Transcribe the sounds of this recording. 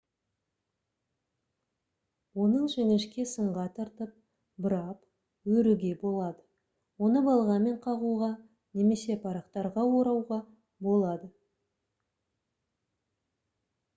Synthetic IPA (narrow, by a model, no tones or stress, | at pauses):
wo̞nəɴʒenɪʃkʲe̞səɴʁɑt̪ʰɑɾt̪əp̚ | bəɾɑp | wɵɾuɡʲe̞bo̞lˠɑd̪ə | wo̞nəbɑlˠʁɑme̞ɴqʰɑʁuʁɑ | ne̞me̞se̞pʰɑɾɑqt̪ɑɾʁɑwo̞ɾɑwʁɑ | bo̞lˠɑd̪ə